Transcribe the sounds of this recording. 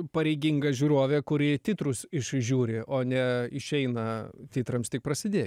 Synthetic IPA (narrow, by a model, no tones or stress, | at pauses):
pɐɾʲɛɪɡʲɪŋɡɐʒʲuːɾoːʋʲeːkʊɾʲɪt̪ʲɪt̪ɾʊsɪʃʒʲuːɾʲɪʔoːnʲɛɪʃʲɛɪnɐt̪ʲɪt̪ɾɐmst̪ʲɪk̚pɾɐsʲɪd̪ʲeːj